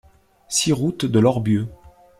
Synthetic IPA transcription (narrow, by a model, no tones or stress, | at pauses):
siʁut̪d̪əlɔʁbjø